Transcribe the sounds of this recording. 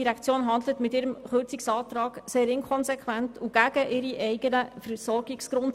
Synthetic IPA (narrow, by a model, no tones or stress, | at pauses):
iɾækt͡sjoːnɦɑnd̪lətmɪtɪɾəmχøɾt͡sɪksɑːtɾɑːɡseːɾɪnkʰɔnsɛkʋæntʰuɡ̥æɡ̥əʔɪɾiʔɛɪɡənəfəɾsɔɾɡ̥ɪksɡ̥ɾʊnt